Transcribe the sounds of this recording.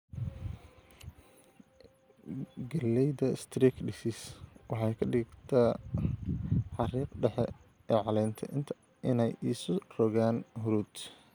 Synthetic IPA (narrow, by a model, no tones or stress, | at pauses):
ɡɐlːɛjðɐst̪ʰɾiːkɖɪsɪswɑħɑjkʰɐɖɪɡt̪ʰɐ | ħɑriːqɖɛħɛ | ɛːʕɑlɛjnt̪ʰɐʔɪnt̪ʰɐ̥ | ʔɪnɛjiːsʊrɔɣaːnɦʊɾuːd̪